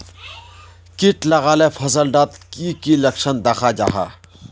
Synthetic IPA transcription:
kɪʈlɐɣaːlefʰɐsəlɖaːt̪kikilɐkʃənd̪ɐxad͡ʒa̰ːɦa̰ː

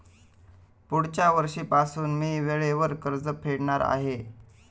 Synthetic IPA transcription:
puɽt͡ɕaʋəɾʂiːpasuːnmiːʋeɭeʋəɾkəɾd͡zəpʰeɽɳaɾa̰ɦe

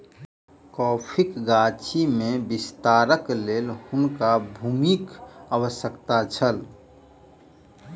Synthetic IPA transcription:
kɔːpʰikɡat͡ʃʰimẽbist̪aɾəkleːlhʊnkabʱuːmikəwəsəkt̪at͡ʃʰəl

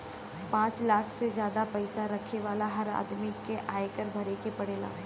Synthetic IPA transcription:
pãːt͡ʃlaːkʰsed͡ʒjaːd̪apɐɪsaɾɐkʰeʋaːlaɦɐɾa̰ːd̪mikeʔaːekəɾbʱɐɾekepɐɽeːla̰ː

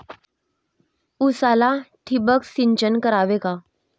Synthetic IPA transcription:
usalat̪ʰibəksiɲt͡ɕənkəɾaʋeka

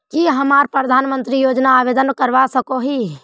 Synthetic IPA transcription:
kiɦəmaːɾpɾəd̪ʱaːnmə̃nt̪ɾijoːd͡ʒnaːʋeːd̪ənkəɾʋasəkoɦi

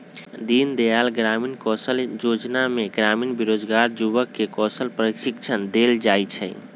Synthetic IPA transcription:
d̪ind̪ealɡɾaminkɔsəljod͡ʒnameɡɾaminbiɾod͡ʒɡaɾd͡ʒubəkːekɔsəlpɾəiʃikt͡ʃʰənd̪eld͡ʒajt͡ʃʰɛ̰

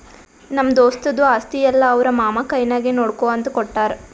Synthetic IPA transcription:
nɐmːɐd̪oːst̪ɐd̪uaːst̪ijɛlːɐːʋɐɾɐmaːmɐkɐjnaːɡinoːɽkoːɐnt̪ukɔʈːaːɾ

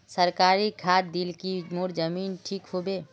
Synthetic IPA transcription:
səɾkaːɾikʰaːd̪ilkimoːɾd͡ʒəmiːnʈʰiːkɦobeː

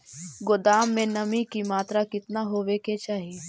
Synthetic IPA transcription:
ɡod̪aːmːẽnɐmĩkimaːt̪ɾakɪt̪naɦoːʋeket͡ʃaːɦie

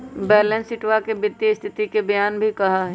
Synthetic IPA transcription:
bɛːlɛ̃nsɪʈʋakebɪt̪ːjəst̪ʰɪt̪ikebɐjaːnbʱikɐɦaɦɛ

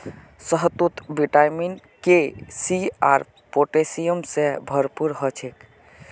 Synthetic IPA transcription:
səɦt̪ut̪biʈajmin | kesiaɾ | poʈesijəmsẽbʱəɾpuɾɦət͡ʃʰek

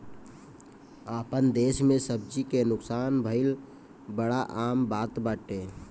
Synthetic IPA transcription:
aːpənd̪eːʃmẽsəb̚d͡ʒikenʊksaːnbʱəɪl | bəɽaʔaːmbaːt̪baːʈeː

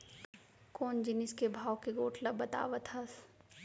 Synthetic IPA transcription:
koːnd͡ʒɪnɪskebʱaːwkeɡoːʈʰlɐbɐt̪a̰ːʋət̪ʰɐs

